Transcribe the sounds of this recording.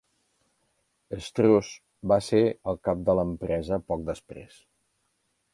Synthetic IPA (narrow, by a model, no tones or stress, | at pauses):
əst̪ɾos | baseɾəlˠkap̚d̪ələmpɾɛzəpɔk̚d̪əspɾḛs